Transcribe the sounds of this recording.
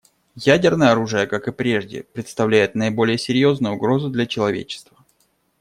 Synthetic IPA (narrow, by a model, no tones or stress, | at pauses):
jædʲɪrnəjəɐɾuʐɨjəkakɨpɾʲe̞ʐdʲɪ̰pɾʲɪt̪st̪ɐvlʲæjɪt̪̚nəɪbo̞lʲɪjəsʲɪɾʲjo̞znʊjʊʊɡɾo̞zʊd̪lʲɐt͡ɕɪlˠɐvʲḛt͡ɕɪ̥st̪və